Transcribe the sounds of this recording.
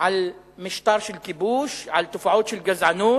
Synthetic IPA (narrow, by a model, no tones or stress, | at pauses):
ʕal | mɪʃt̪ɑːɾˤʃɪlkɪbuːʃʕalt̪ːafaʕuːd̪ʃɪlɡazʕanuː